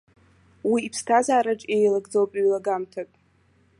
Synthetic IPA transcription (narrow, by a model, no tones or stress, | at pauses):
wiːpʰstʰazaːɾaʈ͡ʂʼejlaɡd͡zowpʼɥlaɡamtʰapʼ